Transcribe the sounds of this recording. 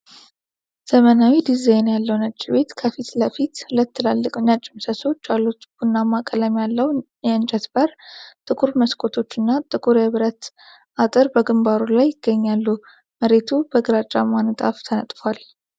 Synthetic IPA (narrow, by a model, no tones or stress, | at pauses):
z̥əmənawid̪izajnjalːəwnət͡ʃʼːiβe̞t̪kʰəfit̪ləfit̪hulət̪ːɨlalːɨkʼɨnːat͡ʃʼːɪmsəso̞t͡ʃːalːut̪b̥unːamakʼələmjalːəw | jɛɨnt͡ʃʼət̪bəɾt̪ʼɨkʼuɾməskʼot̪ʰo̞t͡ʃːɨnːat̪ʼɨkʼuɾjɛβɾət̪ | ʔat̪ʼɨɾbəɡɨmbaɾulajːɪɡ̥ːəɲːalːu | məɾe̞t̪ʰubəɡɨɾat͡ʃʼːa̰manɨt̪ʼa̰ft̪ʰənət̪ʼfal